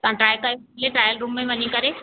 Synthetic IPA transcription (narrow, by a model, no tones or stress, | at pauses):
t̪ãʈɾaːjkaleʈɾaːjəlɾuːmːẽʋɐɲikɐɾe